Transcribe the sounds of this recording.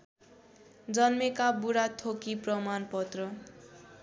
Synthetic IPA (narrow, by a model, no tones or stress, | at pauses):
d͡zʌnmekabuɾat̪ʰokiprʌmanpʌt̪rʌ